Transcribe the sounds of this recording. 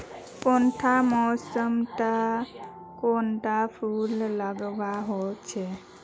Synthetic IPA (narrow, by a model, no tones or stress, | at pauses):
kɔnʈ̪ʰamɔsəmt̪a | konʈapʰullaɡʋaɦɔt͡ʃʰe